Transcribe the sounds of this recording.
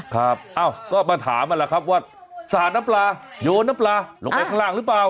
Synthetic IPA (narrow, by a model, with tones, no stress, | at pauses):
kʰa˦˥p̚ʔaː˧˩wkɔː˥˩maː˧t̪ʰa̰ː˩˦mʔa˧nla˧kʰa˦˥p̚waː˥˩ | saː˨˩t̪̚na˦˥mplaː˧joː˧nːaː˦˥mplaː˧lo˨˦pa˧˩tkʰa˥˧laː˥˩ŋɾɯː˦˥plaː˧w